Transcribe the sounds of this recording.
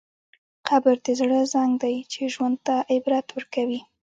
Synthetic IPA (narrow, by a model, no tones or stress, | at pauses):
qʰabəɾd̪ezɽəzaŋɡd̪ajt͡ʃeʒwand̪̚t̪aʔɪbɾat̪wəɾkawi